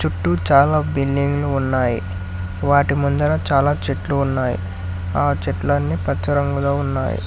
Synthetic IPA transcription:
t͡ʃuʈːut͡ʃaːlaːbilːiŋɡluːnːaːjḭ | ʋaːʈimund̪ɐlɐt͡ʃaːlaːt͡ʃeʈluːnːaːjḭ | aːt͡ʃeʈlaːnːipɐt͡ʃɐɾɐŋɡuloːunːa̰ːjḭ

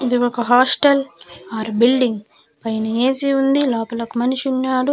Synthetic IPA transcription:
id̪iɔkɐɦaːsʈɐlaːɾbilɖiŋɡ | pɐjnɐeːsiund̪ilaːpɐlɐkumɐniʃunːaːɽu

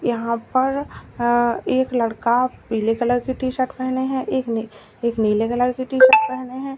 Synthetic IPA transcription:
jɐɦãpɐɾ | eːklɐɽkapiːlekɐləɾkiʈiːʃəʈpɛɦneɦɛ̃ʔeːk | eːkniːlekɐləɾkiʈiːʃəʈ̚pɛɦneɦɛ̃ː

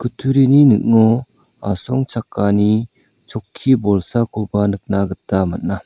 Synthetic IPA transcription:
kɯtʰuɾininɯk̚nɔ | asɔŋt͡ʃakːani | t͡ʃɔkʰːibɔlsakʰobanɯk̚naɡɯtːamat̚na

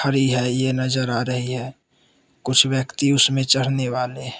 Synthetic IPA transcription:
əɾiɦɛjenəzəɾaːɾəɦiɦɛː | kʊt͡ʃʰʋjəkt̪iʊsmẽt͡ʃəɽ̤neʋaːle

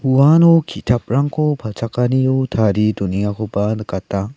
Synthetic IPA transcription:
huanokʰitʰap̚ɾaŋkʰopʰat͡sʰakaniotʰaɾidoniŋakʰopanɯkatːa

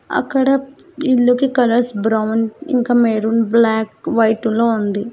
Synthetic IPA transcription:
ɐ̰kːɐɽɐ | ilːukikɐlɐɾsbɾɐwnḭŋkaːmeːɾunblaːkʋɐjʈuloːund̪i

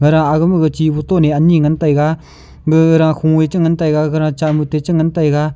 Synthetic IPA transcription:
ɡɯɾaŋaɡɯmɯɡɯt͡ʃibutɔneaniŋantajɡa | ɡɯɾaŋkʰuŋwet͡ʃɯŋantajɡaɡɯɾãŋt͡ʃamutet͡ʃɯŋəntajɡa

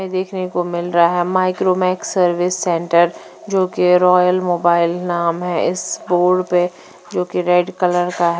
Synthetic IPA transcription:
d̪eːkʰnekomɪlɾɐaɦɛmaːɪkɾoːmɛːksɐɾʋɪsːɛ̃ːɳʈəɾ | d͡ʒoːkeɾɔːjəlmoːbaːɪlnaːmɦɛ̃ɪsboːɖpe | d͡ʒoːkeɾeːɖkɐləɾkaɦ

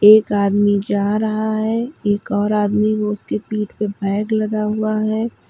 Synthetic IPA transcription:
eːkaːd̪mid͡ʒaːɾɐɦaɦɛeːkɔːɾaːd̪mikoʊskepiːʈpebʱɛːɡlɐd̪aɦuaɦɛː

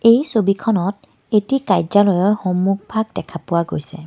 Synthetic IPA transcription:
ejsobikʰɔnɔt | etikajzalɔjɔjxɔmːuɡ̚ʱbʱaɡ̚dɛkʰapʊwaɡojsɛ

